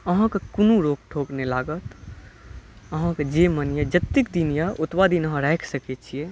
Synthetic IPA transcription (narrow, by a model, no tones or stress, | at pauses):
ɐɦãkakunuɾoːk̚ʈʰoːknelaːɡət̪ | ɐɦãkad͡ʒemənjad͡ʒɐt̪ːɪk̚d̪injaʊt̪waːd̪inɐɦãɾɛːkʰsɐket͡ʃʰie